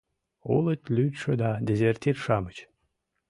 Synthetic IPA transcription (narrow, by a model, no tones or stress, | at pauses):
ulˠət̪ʲlʲytʲʂəd̪ad̪ʲezʲert̪ʲirʃamət͡ɕ